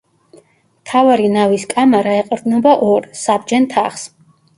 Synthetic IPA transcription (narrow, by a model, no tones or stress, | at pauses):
mt̪ʰavaɾinaviskʼamaɾaɛqʼɾd̪nɔbaʔɔɾsab̚d͡ʒɛnt̪ʰaχs